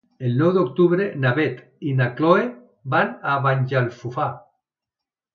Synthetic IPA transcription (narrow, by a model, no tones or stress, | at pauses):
elnɔwd̪okt̪uβɾenaβet̪ | inakloe | banaβaɲʲd͡ʒalfufa